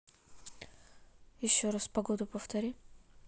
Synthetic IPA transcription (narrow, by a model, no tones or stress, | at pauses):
jɪɕːoɾaspɐɡod̪ʊpəft̪ɐɾʲi